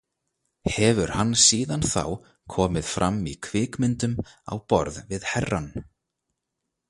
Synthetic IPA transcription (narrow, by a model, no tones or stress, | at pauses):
hɛvʏɾ̥hanːsiːðanθa̰w | kʰɔːmɪðfɾʔamːikʰvɪːkmɪnt̪ʏma̰wpɔ̰ɾðvɪðhɛrːan